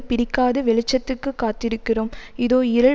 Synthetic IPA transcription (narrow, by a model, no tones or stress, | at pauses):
pɪɾɪkːaːðɯʋɛɭɪt͡ʃːɐt̪ːɯkːɯkːaːt̪ːɪɾɯkːɪroːmɪðoːɪɾɐ